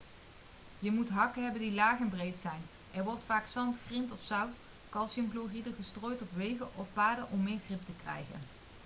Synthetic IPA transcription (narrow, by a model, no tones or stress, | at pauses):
jəmutɦɑkəɦɛbəndilaːχɛnbrejtsɛjn | ʔɛɹʋɔɹtfaːksɑntxrɪntɔfsʌwt | kɑlˠsəmkloχidəχəstroːjtɔpʋejɣəʔɔfpaːɹdəʔɔmːɪːɹχrɪp̚təkrɛ̰jχə̰n